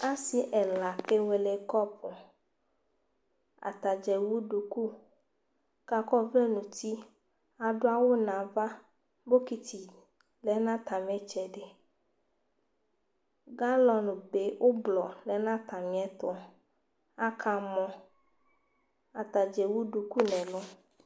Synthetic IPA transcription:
a˦si˦ʔɛ˨la˨ke˦we˨le˨kɔ˦pʰɔ˨ | a̰˨t̪a˨d͡ʒɛ˨wu˦ɖu˨ku˦ | ka˨kɔ˦vle˦nũ˨t̪i˦ | a˨ɖo˦a˦wo˦nã˨va˦ | bo˦ki˨t̪i˨ | lɛ˨˦nã˦t̪a˨mɛ˦t͡ʃɛ˨ɖe˨ | ɡa˦lɔ˨nũ˨be˦wʔo˦blɔ˨lɛ˨˦nã˦t̪ã˨mĩ˨ɛ˦t̪ɔ˦ | a˦kʰa˨mɔ̃˦ | a˨t̪a˨d͡ʒɛ˨wu˦ɖu˨ku˦nɛ̃˨lɔ˦

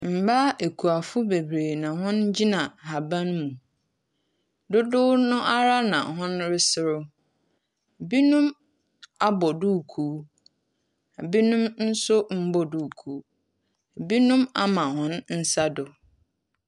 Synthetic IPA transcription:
m̩˨baː˦ʔe˨kʰu˨a˨fʊ˦be˨bɾeː˨nã˨ɦʊ̃˦nd͡ʑi˦nã˨ha˨bã˦n˦mũ˨ | dʊ˦dʊ˦nʊ̃˦ʔa˦ɾa˦nã̰˨hʊ̃˦nɾɪ˦sɪ˨ɾʊ˦˨ | bi˦nũ˦m | a˦bɔ˨duː˦˨kʰu˦ | a˨bi˦nũ˦mn̩˦sʊ˦m̩˦bɔ˦duː˦˨kʰuː˨˦˨ | bi˦nʊ̃˦ma˦mã˨hʊ̃˦nn̩˦sa˦dʊ˨

